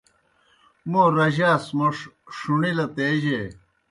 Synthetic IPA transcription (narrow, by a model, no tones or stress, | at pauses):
moːɾɐʑaːsmoʂʂuɳilɐt̪eːd͡ʑeː